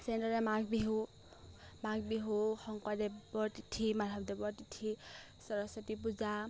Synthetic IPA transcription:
sɛndɔɹɛmaɡbiɦu | maɡ̚biɦuxɔŋkwadɛbɔɹtitʰimaɾʱabdɛbɔɹtitʰi | sɔɹɔsɔtip̬uza

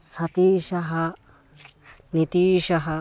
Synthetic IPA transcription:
sɐt̪iːʃɐɦɐ | nit̪iːʃɐɦɐ

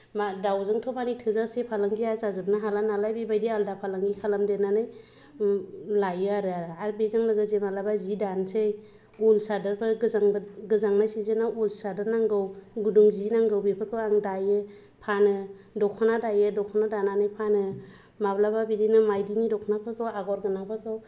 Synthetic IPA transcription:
madawzɯŋtʰɔbanijtʰɯzasepʰalaŋɡiazazɯbnaɦalanalajbibajdialdapʰalaŋɡikʰalamdenanɯj | lajɯaɾɯaɾɯaɾbezaŋlɯɡɯzemalabazidansej | ulsadɯɾpʰɯɡɯzaŋɡɯzaŋnajsizenaulsadɯɾnaŋɡɯwɡuduŋzinaŋɡɯwbipʰɯkʰɯwaŋdajɯ | pʰanɯ | dɔkʰanadajɯdɔkʰɔnadananɯjpʰanɯ | mablababidinɯmajdinidɔkʰɔnapʰɯkʰɯwaɡɔɾɡɯnapʰɯkʰɯw

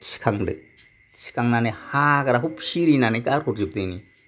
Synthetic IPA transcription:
t͡ʃkʰaŋdɨ̰ | t͡ʃi̥kaŋnanehakɾaɦupʃiɾinanekaɾhuɾd͡ʒup̚t̪ini

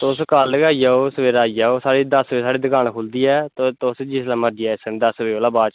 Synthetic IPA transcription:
t̪ːʊskalɡaːijaːoːsʋeːɾaːijaːoːsaːɽiːd̪əsʋeːsaːɽiːd̪ɪɡaːnkʰʊld̪iːɛːt̪t̪ʊsd͡ʒɪslãːməɾd̪iaːɪsənːd̪əsʋeːoːlaːbaːt͡ʃ

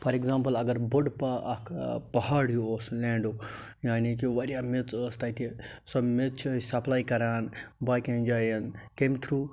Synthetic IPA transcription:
pɐɾeɡzãːmpɐlɐɡɐɾbuɖpɐɐkʰpɐhaːɽjioːslẽːɳɖo | jaːnik̬iʋɐɾijaːmit͡səːst̪ɐt̪i | sɐmet͡st͡ʃʰːsɐplaːjkɐɾaːnbaːjkẽnd͡ʒaːjɐnkemt̪ʰɾuː

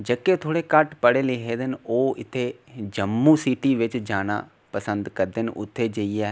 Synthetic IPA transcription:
d͡ʒəkːet̪ʰoːɽeːkəʈpəɽeːlɪɦeːd̪ɪnoːɪt̪ʰːeːd͡ʒəmːũsiːʈiːʋɪt͡ʃd͡ʒaːna̰ː | pəsə̃nd̪kəɾd̪ɪnʔʊ̰t̪ʰːeːd͡ʒəiɛː

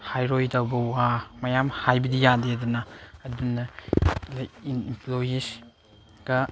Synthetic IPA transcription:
hajɾojtawbɐwwamɐjamhajbɐdijadedunɐɐdbunːɐlɐimimplojis | ɡ̥ɐ

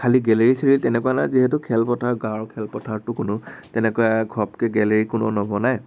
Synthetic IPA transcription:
kʰaliɡɛleɹiseɹiltɛnɛkuwanajziɦɛtʊkʰɛlpɔtʰaɹɡaɹkʰɛlpɔtʰaɹtʊkʊnʊtɛnɛkɔaɡʱɔp̚kɛɡɛleɹikʊnɔ̰nɔbɔnaj

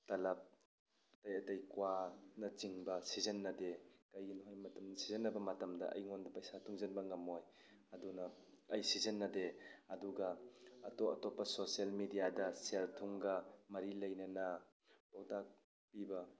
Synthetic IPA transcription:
tɐlɐp̚ | tajɐtɐjkwanɐt͡ʃiŋbɐsizɐnːɐdekajɡinɔɦajmɐtɐmnɐsizenːɐbɐmɐtɐmdɐ̰ʔɐ̰jŋɔndɐpajsatʰuŋzɐnbɐŋɐmoj | ɐdunɐː | jsizɐnːɐdeɐduɡɐːtɔɐ̰tɔpːɐsosialmidiadɐseltʰuŋɡɐmɐɾilɐjnɐna | bɔwtak̚ | pibɐ

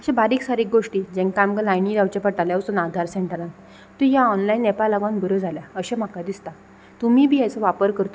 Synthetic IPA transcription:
əɕẽbaɾiːksaɾik̚ɡoʂʈiːd͡ʑɛ̃ŋkamɡəlajniɾawt͡ɕapəʈaljawsunad̪ʱaɾseɳʈəɾãn | t̪ũjaɔnlainːepalaɡanbəɾəd͡zʱaljaəɕẽm̤akad̪ist̪a | t̪umiːbʱiːajt͡səʋapəɾkəɾt̪o

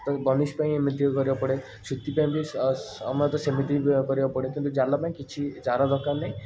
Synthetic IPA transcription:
t̪ɔbɔnispãĩemit̪ikɔɾibɔpɔɽe | sut̪ːipãmbiɔ̰mɔt̪ɔsemit̪ikɔɾibapɔɽekint̪ud͡ʒalapaĩkit͡ʃʰid͡ʒaɾad̪ɔkanaj̃

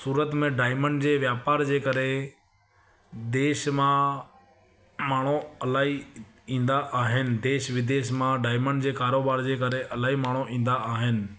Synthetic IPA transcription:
suːɾət̪mẽɖaːɪməɳɖd͡ʑeːʋjaːpaːɾd͡ʑeːkɐɾe | d̪eːʃmã | maːɳ̤oɐlaːɦi | ĩːnd̪aʔaːɦɪnɪ̆d̪eːʃʋɪd̪eːʃmãɖaːɪməɳɖd͡ʑeːkaːɾoːbaːɾd͡ʑeːkɐɾeʔɐlaːɦimaːɳ̤oĩːn̆d̪aʔaːɦɪnɪ̆

